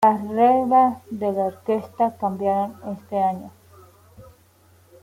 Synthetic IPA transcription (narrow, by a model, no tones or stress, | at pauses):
lasreβasðelaoɾkest̪akambjaɾone̞st̪eaɲo